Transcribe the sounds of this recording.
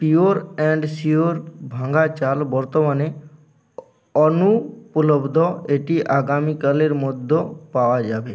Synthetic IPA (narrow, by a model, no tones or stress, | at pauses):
pijoɾɛ̃ɳɖsioːɾbʱãːŋɡat͡ʃaːlbɔɾt̪ɔmane | ɔnupʊləbd̪ʱɔeːʈiʔaːɡaːmikəleɾmʊd̪ʱːɔpaːʋad͡ʒaːbeː